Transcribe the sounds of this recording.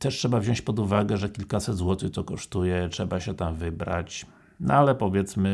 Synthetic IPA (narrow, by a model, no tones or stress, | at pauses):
t̪ɛʂtʂɛbavʑɔ̃ɲt͡ɕpɔd̪uvaɡɛʐɛkʲilkasɛd̪zwɔt̪ɘt̪ɔkɔʂt̪ujɛtʂɛbaɕɛt̪amvɘbɾa̰t͡ɕ | nɔ̰alɛpɔvʲjɛt̪smɘ